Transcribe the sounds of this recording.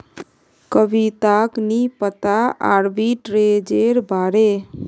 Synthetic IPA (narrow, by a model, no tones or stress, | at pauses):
kəbit̪aknipət̪aa̰ɾbiʈɾed͡ʒeɾbʱaɾe